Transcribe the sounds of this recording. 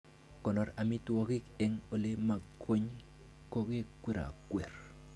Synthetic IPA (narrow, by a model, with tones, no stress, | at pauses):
kɔ˨nɔ˨ɾa˨mi˦twɔ˦kɪ˦kɛ˨ŋo˨le˦ma˨kʰo˦ɲ | ko˦ɡe˦kwe˦ɾa̰˨kwe˨r